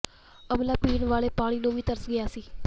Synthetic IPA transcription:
əmlaːpiːɳʋaːɭeːpaːɽ̃iːnũːʋiːt̪əɾəsɡɪjaːsiː

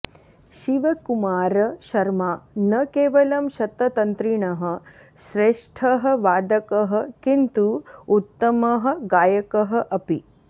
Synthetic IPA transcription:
ʃiʋɐkumaːɾɐʃɐɾmaːnɐkeːʋɐlɐmʃɐt̪ːɐt̪ɐnt̪ɾiɳɐɦɐ | ʃɾeːʂʈʰɐɦɐ̆ʋaːd̪ɐkɐɦɐ̆kint̪uut̪ːɐmɐɦɐ̆ɡaːjɐkɐɦɐ̆ʔɐpi

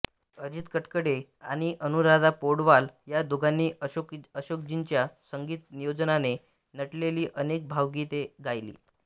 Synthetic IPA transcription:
əɾit̪kəʈkəɽea̰ɽ̃iʔənuɾad̪apoɽʋaljad̪oɡanːiːəokəɕok̚d͡ʑint͡ɕjasəŋɡiːt̪nijod͡znane | nəʈleliːʔənek̚bʱaʋɡit̪eɡajlḭː

